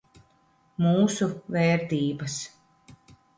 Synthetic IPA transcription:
muːsuvɛːɾt̪iːbɐs

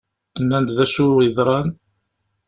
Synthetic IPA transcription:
ənːænd̪ðæʃuəðˤɾˤɑn

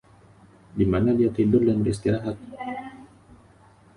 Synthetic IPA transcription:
dimanadiat̪idʊrdanbəɾist̪iɾaɦat̪̚

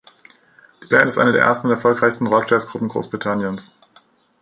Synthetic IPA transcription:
d̥iːb̥ɛɐntɪstʔa̰ɪnədeːɐʔeɐstn̩ʊntɛɐfɔlkʁ̥aɪçstn̩ʁɔkʃtasɡ̥ʁʊpm̩ɡʁo̰ːsb̥ʁ̥itʰanjəns

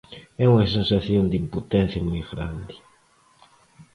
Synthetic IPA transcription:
ɛuŋɐsensaθjond̪imput̪ɛ̃nθjamujɣɾa̰nd̪i

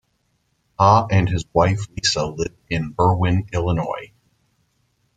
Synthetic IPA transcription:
hʰɑɨ̃nɨzwaɪflisəlɪvɪ̃nbɜ˞wɪ̃nɪlˠənɔɪ

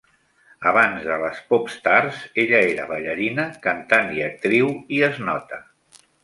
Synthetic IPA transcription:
əβ̞anzðələspɔpst̪arzeʎəeɾəβəʎəɾinəkənt̪aniək̚t̪ɾiwiəznɔt̪ə

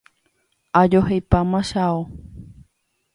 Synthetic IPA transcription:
ad͡ʒohejpamãʃao

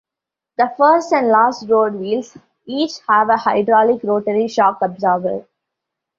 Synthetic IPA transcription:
d̪̥əfəɾsʈæ̃ɳɖlaːsʈɾoːɖʋiːls | iːt͡ʃhæʋəhaɪɖɾɔːlɪkɾoːʈəɾiʃɔːkəbzəːɾbə̰

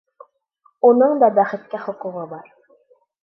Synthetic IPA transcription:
unɤɴd̪ɑbæχɘ̆t̪̚kæχŏquʁɤbɑɾ

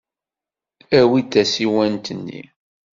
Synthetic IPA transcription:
æwid̪æsiwænt̪ənːḭ

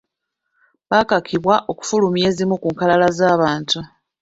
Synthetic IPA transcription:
bakakʰiβwaʔo̞ku̥fulumje̞ːzimukuːŋkalalazaːβaːntu

